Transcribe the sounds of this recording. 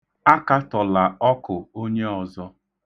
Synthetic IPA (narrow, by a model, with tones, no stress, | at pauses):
a˦ka˦tɔ˨la˨ɔ˦kʊ˨o˦ɲe˦ɔ˨zɔ˦